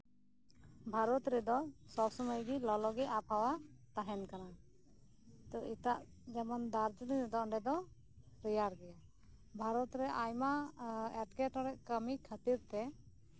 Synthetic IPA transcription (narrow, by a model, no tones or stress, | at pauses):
bʱaɾɔt̪ɾɛd̪ɔsɔbsɔməjɡilɔlɔɡɛʔapʰawat̪aɦɛnkana | t̪ɔit̪aʔ | d͡ʒamand̪aɾd͡ʒəniɾɛd̪ɔɔɳɖɛd̪ɔ | ɾijaɾɡɛja | bʱaɾɔt̪ɾɛʔajmaɛʈkɛʈɔɾɛʔkəmikʰət̪iɾt̪ɛ